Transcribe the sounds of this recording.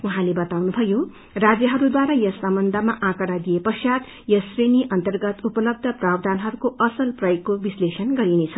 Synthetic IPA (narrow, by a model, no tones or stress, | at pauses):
uɦãlebʌt̪awnubʱʌjo | rad͡zjʌɦʌɾud̪waɾajʌsʌmʌnd̪ʱamaʔãkʌɾad̪ijepʌsjat̪ | jʌsreniʔʌnt̪ʌrɡʌt̪upʌlʌb̚d̪ʱʌprabd̪ʱanɦʌɾukoʔʌsʌlprʌjokːobislesʌnɡʌɾinet͡sʰʌ